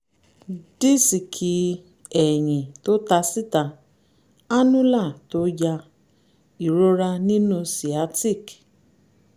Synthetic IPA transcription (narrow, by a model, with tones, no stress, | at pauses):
di˦si˨kʰi˦ | ɛ˨ɲ̃ĩ˨to˦ta˧si˦ta˧ | a˦nũ˦la˦˨to˦ja˧ | i˨ɾo˦ɾa˧nĩ˦nũ˧si˨a˦ti˦˨k